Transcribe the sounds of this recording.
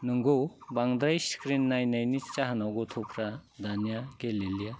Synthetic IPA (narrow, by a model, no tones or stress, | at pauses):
nɯŋɡowbaŋd̪ɾajskɾinːajnajnit͡ʃaɦanawɡɔt̪ʰopʰɾad̪anjaɡelilija